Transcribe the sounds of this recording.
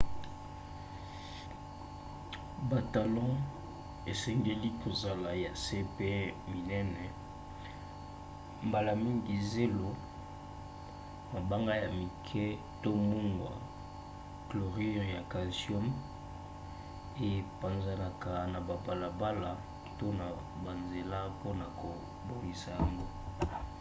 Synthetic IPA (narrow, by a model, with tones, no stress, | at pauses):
ba˨ta˨lɔ̃˦ | e˨sɛ˦ŋɡe˦li˦kʰo˨za˨la˨ja˨se˦pe˦mi˨nɛ˦nɛ˨ | mba˨la˨mi˦ŋɡi˨ze˦lo˦ | ma˨ba˦ŋɡa˦ja˨mi˨kʰɛ˦ | to˦mu˦ŋɡwa̰˨ | klo˨ʁi˦ja˨ka˨sjɔ˦m | e˦˨pa˨nza˨na˨ka˨na˨ba˨ba˨la˨ba˦la˨ | to˦na˨ | ba˨nze˨la˦po˦na˨ko˨ | bo˦ŋɡi˨sa˨ja˨ŋɡo˦